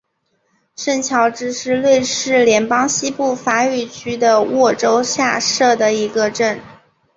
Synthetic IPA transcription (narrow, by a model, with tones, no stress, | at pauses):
ʂə˥˩nt͡ɕʰjɑ˧˥ʊʈ͡ʂɻ̩˥ʂɻ̩˥lwe˥˧ɪʂɻ̩˥˩ljɛ˧˥npɑ˥ŋɕi˥pu˥˩fa˧˥y˥˩t͡ɕʰy˥d̪ə˨wɔ˥˩ʈ͡ʂo˥ʊɕja˥˧ʂɤ˥˩d̪ə˩i˧˥ɡə˧ʈ͡ʂə˥˩n